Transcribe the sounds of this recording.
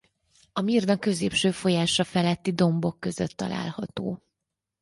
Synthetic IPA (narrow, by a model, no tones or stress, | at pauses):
ɒmird̪ɒkːø̞zḛːpʃøːfo̞jaːʃɒfɛlɛt̪ːid̪o̞mbo̞kːøzøt̪ːɒ̰la̰ːlhɒt̪oː